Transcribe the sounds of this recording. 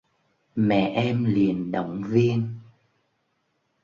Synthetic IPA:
mɛ̰˧˨ʔɛ˧mli˨˩ənɗə̰˧˨wŋ͡mvi˧ən

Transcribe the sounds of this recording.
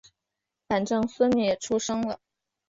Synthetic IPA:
fa˨˩nʈ͡ʂɤ˥ŋswə˥ni˨˩jɛ˨˩ʈ͡ʂʰu˥ʂɤ˥ŋlə˨

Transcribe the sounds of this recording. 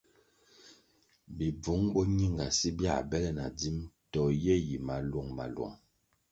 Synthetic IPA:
bi˨b͡vu˨˦ŋbɔ˦ɲi˦˨ŋɡa˨si˦bja˦˨bɛ˦lɛ˦na̰˨d͡zi˦mtɔ˨jɛ˦ji˨ma˨lɔ˦˨ŋma̰˨lwɔ̰˨ŋ

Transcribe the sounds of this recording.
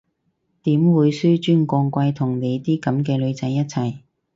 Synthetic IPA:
t̪iː˨˥mwuː˨˧jsyː˥t͡ʃyː˥nkʷɔː˧ŋkʷɐ˧jt̪ʰʊ˨˩ŋne˨˧jt̪iː˥kɐ˨˥mkɛː˧lɵ˨˧ɥt͡sɐ˨˥jːɐ˥t̚t͡sʰɐ˨˩j

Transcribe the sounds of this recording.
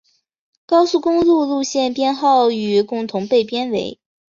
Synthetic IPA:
kɑ˥ʊsu˥˩kʊ˥ŋlu˥˧lu˥˧ɕjɛ˥˩npjɛ˥nxɑ˥˩ʊy˨˩kʊ˥˩ŋt̪ʰʊ˧˥ŋpe˥˩ɪpjɛ˥nwe˧˥ɪ

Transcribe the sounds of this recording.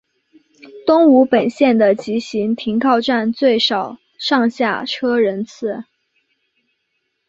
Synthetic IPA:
t̪ʊ˥ŋu˧˥pə˨˩nɕjɛ˥˩nd̪ə˩t͡ɕi˧˥ɕi˧˥ŋt̪ʰi˧˥ŋkʰɑ˥˧ʊʈ͡ʂa˥˧nt͡swe˥˩ɪʂɑ˨˩ʊ | ʂɑ˥˧ŋɕja˥˩ʈ͡ʂʰɤ˥ɻə˧˥nt͡sʰɹ̩˥˩

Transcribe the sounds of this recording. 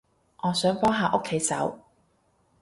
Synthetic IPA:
ŋɔː˨˧sœː˨˥ŋpɔː˥ŋɦaː˧ʔo˥kʰːe˨˥jsɐ̰˨˥w

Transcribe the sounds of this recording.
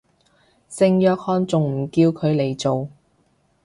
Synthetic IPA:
sɪ˧ŋjœː˧k̚hɔː˧nt͡sʊ˨ŋm̩˨˩kiː˧wkʰɵ˨˧ɥle˨jt͡so˨w

